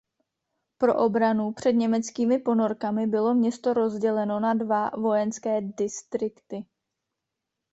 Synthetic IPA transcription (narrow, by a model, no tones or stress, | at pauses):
pɾo̞̰ʔo̞bɾanupr̝̥ɛdɲɛmɛt͡skiːmɪpo̞no̞ɾkamɪbɪlo̞mɲɛst̪o̞ɾo̞zɟɛlɛno̞nadvavo̞jɛnskɛːdɪst̪ɾɪkt̪ɪ